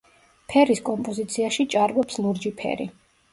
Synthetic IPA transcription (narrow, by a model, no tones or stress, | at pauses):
pʰɛɾiskʼɔmpʼɔzit̪sʰiaʃit͡ʃʼaɾvɔpsluɾd͡ʒipʰɛ̰ɾḭ